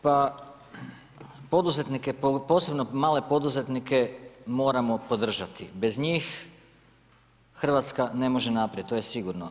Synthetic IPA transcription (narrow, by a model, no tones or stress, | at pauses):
pa | po̞d̪uzet̪nikepo̞ːse̞bnomaːle̞po̞d̪uze̞t̪nike̞mo̞ːɾamo̞po̞d̪r̩ʒat̪ibe̞zɲiːx | xr̩ʋat̪skane̞mo̞ʒenapɾaet̪ojesiɡuɾno